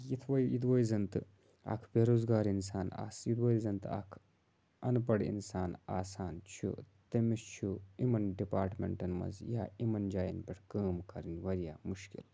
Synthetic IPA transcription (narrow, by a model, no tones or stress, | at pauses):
jit̪ʰʋɐjid̪̬ʋɐjzɐnt̪ɨ | ɐ̰kʰbʲeːɾoːzɡaːɾinsaːna̰ːsjid̪ʋɐɾizɐnt̪ɐ̰kʰ | ɐnpɐɽḭnsaːna̰ːsaːnt͡ʃʰṵ | t̪ɐmist͡ʃʰuimɐnɖipaːɾʈmʲḛɳʈɐnmɐ̰nzjaːimɐnd͡ʒaːjɐnpʲeʈʰkəːmkɐɾinʲʋɐɾja̰ːmuʃkḭl